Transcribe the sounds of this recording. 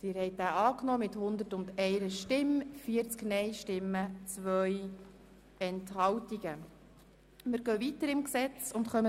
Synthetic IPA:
t̪ɪːɾhɛɪt̚dæːʔɑːknɔːmɪthʊnd̪əɾtʊnd̪ɛɪɾəʃtɪmfiəɾt͡sknɛjʃtɪmːət͡sʋœj | ɛnthɑwtiɡ̥ə | mɪɾɡ̥œːvit̪əɾɪmksɛt͡sʊntχœmə

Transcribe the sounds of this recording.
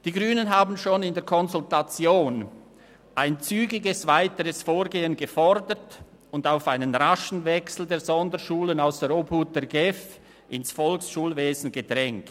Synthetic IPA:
d̥iːɡʁyːnənɦaːbn̩ʃoːnɪndeːɐkʰɔnzʊltat͡sjoːn | ʔaɪnt͡syːɡɪɡəsv̥aɪtəʁəsfoːɾɡeːənɡəfɔɾdət | ʊndaʊfaɪnənʁaʃn̩vɛksl̩deːɐzɔndəʃuːlənaʊsd̥eɐʔoːbhuːt̚d̥ɛɐɡɛf | ʔɪnsfɔlksʃuːlveːzn̩ɡəd̥ʁɛŋk

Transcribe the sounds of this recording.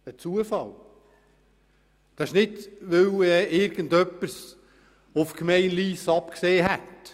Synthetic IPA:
ət͡suəfɑl | d̥ɑɪʃnɪdʋɵwɛɪɾɡ̥ən̩dœpːəs | ofkmɛɪnliːsɑpkseːɦɛt

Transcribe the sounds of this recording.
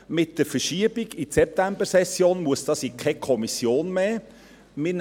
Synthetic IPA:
mɪt̚d̥əɾfəʃiəb̥iɡisɛp̚t̪æmbəsɛsːjoːnmuəsd̥ɑːsikʰɛkʰɔmisjoːnmeː | mɪn

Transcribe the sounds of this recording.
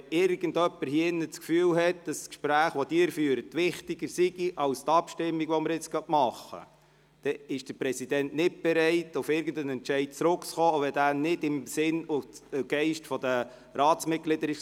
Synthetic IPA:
ɪɾɡ̥əndœpːəɾhiɪnːət͡skfyːlɦɛt̚d̥ɑsskʃpɾæːχʋɔd̥ɪːɾfyːəɾətʋɪχtɪɡəɾsiɡ̥iʔɑlstɑpʃtɪmːiɡʋɔməɾɪt͡sɡ̥œtmɑχːə̰ | d̥ɛɪʃd̥əɾpɾɛsidɛntnɪt̚b̥ɛɾɛɪtʊfɪɾɡən̩dənɛnt͡ʃɛɪd̥̚t͡sɾʊkt͡sχoːoʋɛdæːnɪdɪmsɪnuɡ̥ɛɪʃtfɔdə | ɾɑːtt͡smɪt̚klɪd̥əɾɪ

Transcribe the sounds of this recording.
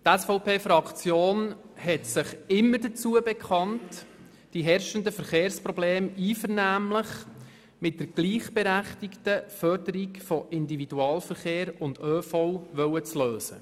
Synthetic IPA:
tæsfɔʊpeːfɾɑkt͡sjoːn | hɛtsɪχɪmːədət͡suəbɛkʰχɑnt | d̥iɦɛɾʃəndəfəɾχeːɾspɾɔbleːmiːfəɾnæːmləχ | mɪt̚d̥əɾɡ̥liːχb̥ɛɾæχtɪktəfœɾdəɾikfɔʔɪndividuɑːlfəɾχeːɾʊndøːfɔwʋœwət͡sløːsə̰

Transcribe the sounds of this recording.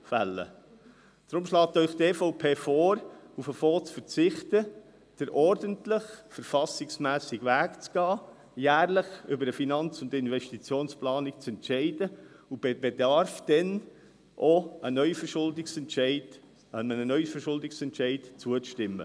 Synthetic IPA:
fælːə̰ | d̥ɾʊmʃlɑːt̪œʏχtefoʊpʰeːfɔːɾufəfoːt͡sfəɾt͡sɪχt̪ə | d̥əɾʔɔɾdəntlɪχfəɾfɑsɪksmæːsɪɡvæːkt͡sɡ̥ɑː | jæːɾlɪχʏbəɾəfinɑnt͡sʊndɪnvɛʃtit͡sjoːnsplɑːnɪkt͡sɛntʃɛɪd̥ə | ub̥ebɛdɑɾfd̥ɛn | ʔoənœʏfəʃʊldɪksɛntʃɛɪd | əmənənœʏfəɾʃʊldɪksɛntʃɛɪdt͡suəʃtɪmːə̰

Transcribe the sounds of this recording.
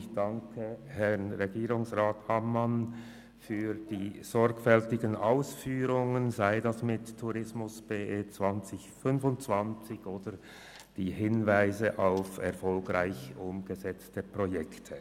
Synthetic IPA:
ɪçd̥aŋkʰəhɛʁnʁeɡiːʁʊŋsʁaːthamːan | fyːʁd̥iːz̥ɔʁɡfɛltɪɡənʔaʊsfyːʁʊŋənzaɪdasmɪttʰːuʁɪsmʊsb̥eːʔeːt͡sv̥ant͡sɪçfʏnfʊnt͡sv̥ant͡sɪçoːdə | d̥iːhɪnvaɪzəʔaʊfɛʁfɔlɡʁaɪçʔʊmɡ̥əzɛt͡stəpʁojɛktʰə

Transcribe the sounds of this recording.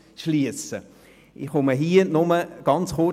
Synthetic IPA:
ʃliəsə | ʔɪχʊməɦiːənʊməɡ̥ɑnt͡sχʊ

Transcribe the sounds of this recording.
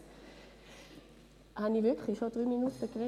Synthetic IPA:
hanivɪɐkʰlɪʃod̥ʁyːminutəkʁɛ

